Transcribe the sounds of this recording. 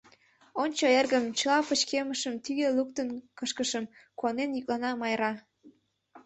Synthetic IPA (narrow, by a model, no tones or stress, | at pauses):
onʲt͡ɕoerɣəmt͡ɕəlɑpət͡ɕkeməʃəmt̪yɣeluk̚t̪ənkəʃkəʃəmkuɑnenjyk̚lɑnɑmɑjɾɑ